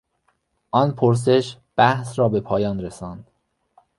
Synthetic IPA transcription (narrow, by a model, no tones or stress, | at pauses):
ʔɒːnpʰoɾs̬e̞ʃb̥æhsɾɒːbe̞pʰɒːjɒːnɾesɒːnd̪̥